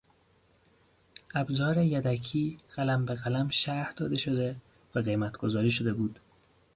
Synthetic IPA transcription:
ʔæbzɒːɾejæd̪ækʰiːɢ̥ælæmbeɣælæmʃæhd̪ɒːd̪e̞ʃo̞d̪e̞ | væzejmæt̪ʰɡ̥o̞zɒːɾiːʃo̞d̪e̞buːd̪̥

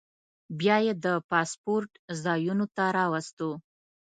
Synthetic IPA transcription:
bjɑjed̪əpɑspoɾʈzɑjunot̪aɾɑwast̪o

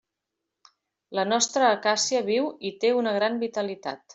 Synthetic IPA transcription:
lənɔst̪ɾəːkasiəβiwit̪eunəɣ̞ɾambit̪əlit̪a̰t̪

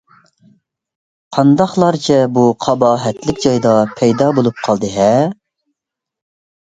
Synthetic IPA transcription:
qʰɑnd̪ɑχlˠɑɾt͡ʃʰɛbuqʰɑbɑːɦɛt̪lɪkʲd͡ʒɑjd̪ɑpʰɛjd̪ɑːbolˠup̚qʰɑlˠd̪ɨɦɛ

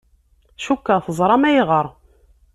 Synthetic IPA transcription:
ʃukːəʁθəzˤɾˤɑmæjʁəɾˤ

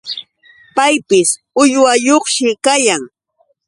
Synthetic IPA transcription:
pajpɪs | ʊjwajoχʃɪkajaŋ

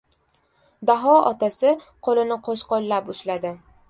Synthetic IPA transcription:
d̪aɦɒɒ̰t̪ʰasɪ | qʰolɪnɪqʰoʃqɒlːapʊʃlad̪ɪ

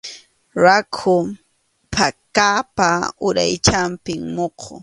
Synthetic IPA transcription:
ɾakʰʊ | pʰakaːpaʊɾa̰jt͡ʃampɪŋmoqʰo̰

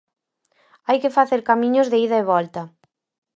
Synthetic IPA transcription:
ajkɪfaθeɾkamĩɲʊzðeiðɐeβɔlt̪ɐ

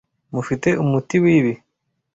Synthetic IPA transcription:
mufiteʔumutiwiβi

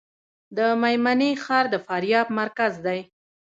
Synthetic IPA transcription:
d̪əmajmanixɑɾd̪əfɑɾjɑbmaɾkazd̪aj

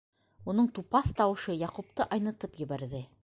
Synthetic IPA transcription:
unɤɴt̪upɑθt̪ɑwɤ̆ʃɤjɑqup̚t̪ɤʔɑjnɤ̆t̪ɤpjɘ̆βæɾðɘ

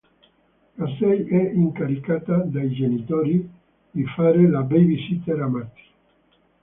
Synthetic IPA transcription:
asɛjɛiŋkaɾikat̪ad̪ajd͡ʒenit̪oɾi | difaɾelabɛjbisit̪eɾamat̪i̥

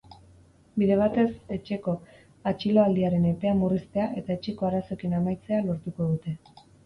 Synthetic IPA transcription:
biðe̞β̞at̪e̞se̞t͡ʃe̞ko̞ | at͡ʃilo̞ald̪iaɾe̞ne̞pe̞amurist̪e̞aʔe̞t̪ae̞t͡ʃe̞ko̞aɾaso̞kinamajt͡se̞alo̞ɾt̪uko̞ð̞ut̪e̞

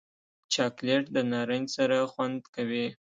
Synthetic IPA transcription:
t͡ʃɑkleʈd̪ənɑɾənsaɾaxwand̪kawi

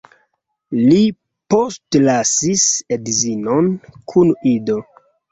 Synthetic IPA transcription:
li | postlasisedzinonkʰunido̞

